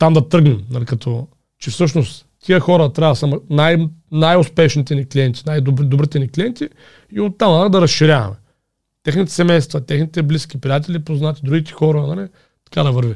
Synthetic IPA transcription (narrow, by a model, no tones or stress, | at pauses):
t̪amd̪ɐt̪ɤɾɡnɛmnɐlikɐt̪ʰɔ | t͡ʃɛfsɤʃnost̪ | t̪ʰijəxɔɾɐt̪ɾʲavɐsamnajnajʊspɛʃnit̪ɛniklʲiɛnt̪i̥najd̪obd̪obɾit̪ɛniklʲijɛnt̪i | iot̪ːamnɐlid̪ɐɾɐsʃiɾʲavɐ̰mɛ | t̪ɛxnit̪ɛ̥sɛmɛjst̪vɐt̪ɛxnit̪ɛbliskʲipɾʲiat̪̬ɛlipoznat̪i̥d̪ɾuɡʲit̪ɛ̥xɔɾɐnɐli | t̪ɐ̥kad̪ɐvəɾvi